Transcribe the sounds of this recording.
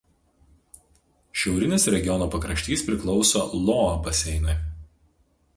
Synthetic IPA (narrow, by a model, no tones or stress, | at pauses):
ʃʲɛʊɾʲɪnʲɪsɾʲɛɡʲɪjɔnoːpɐkɾɐʃʲt̪ʲiːspʲɾʲɪklˠɒʊsoːlˠoːɐbɐsʲɛɪnɐɪ